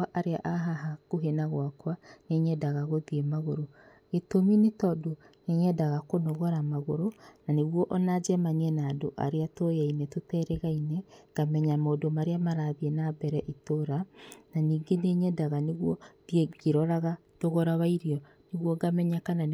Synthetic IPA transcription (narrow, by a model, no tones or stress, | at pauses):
aʔaɾeaʔaɦaɦakoɦenaɣwakwaneɲɛdaɣaɣoðiemaɣoɾo | ɣetominetɔdo | nɛɲɛdaɣakonoɣɔɾamaɣoɾonaneɣwɔʔɔnad͡ʒɛmaniɛnaːdoʔa̰ɾeatojainɛtotɛɾɛɣainɛɡ̥amɛɲamaodomaɾeamaɾaðiɛnabɛɾɛʔitoɾananiːɡeneɲɛdaɣaneɣwɔðieɡeɾɔɾaɣa | toɣɔɾaβaiɾiɔ | neɣwɔɡamɛɲakanan